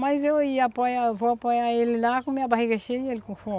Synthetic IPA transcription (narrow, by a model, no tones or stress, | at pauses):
majzewiapɔjavoapɔjaelilakũmiabaɦiɡɐʃejelkũfɔ